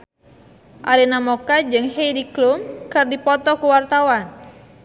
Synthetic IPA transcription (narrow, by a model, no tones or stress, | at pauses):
ʔaɾinamɔkad͡ʒɨŋhejdiklumkɨrdipɔt̪ɔkuwart̪awan